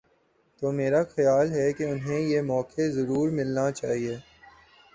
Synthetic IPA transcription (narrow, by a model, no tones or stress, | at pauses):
t̪oːmeːɾaxɐjaːlɦɛkeʊnɦẽjemɔːkʰezɐɾuːɾmɪlnat͡ʃaːɦieː